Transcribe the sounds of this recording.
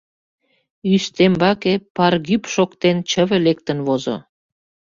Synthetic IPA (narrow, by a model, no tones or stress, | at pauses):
yʃt̪embɑkepɑrɣypʃokt̪ent͡ɕə̆βĕlek̚t̪ə̆nβozo̰